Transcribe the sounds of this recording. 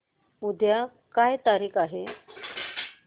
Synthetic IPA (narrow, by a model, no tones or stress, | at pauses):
ud̪ʱja | kajt̪aɾiːkʰaɦe